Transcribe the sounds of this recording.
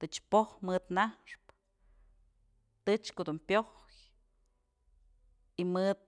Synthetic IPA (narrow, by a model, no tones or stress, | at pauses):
t̪ɨt͡ʃpohmɨd̪nahʂp | t̪ɨt͡ʃkod̪umpjoh | k | imɨd̪̚